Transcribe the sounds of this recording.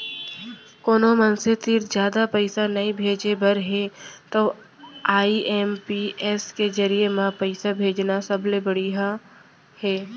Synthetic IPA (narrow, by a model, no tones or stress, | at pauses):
koːnomənset̪ɪɾd͡ʒjaːd̪apəɪsanɐĩbʱeːd͡ʒebəɾɦɛ̃t̪oː | aːiʔɛːmpiʔɛːskezəɾijemãpəɪsabʱeːd͡ʒnasɐblebəɽiɦa | hɛː